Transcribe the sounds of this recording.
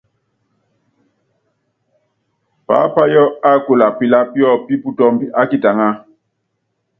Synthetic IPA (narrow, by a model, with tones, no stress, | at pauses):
pa̰ː˨˦pa˦jɔ˦a˦ko˨la˨pi˨la˦pi˦ɔ˦˨pi˦pu˦tɔ˦mbi˦ʔa˦ki˦˨ta˨ŋa˦